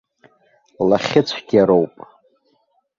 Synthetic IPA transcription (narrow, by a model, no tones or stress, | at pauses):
laχʲɪt͡sʷʰɡʲaɾowpʼ